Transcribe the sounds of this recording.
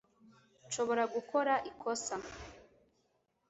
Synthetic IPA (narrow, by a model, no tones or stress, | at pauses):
ʃo̞βo̞ɾaɡukʰo̞ɾaʔikʰo̞sa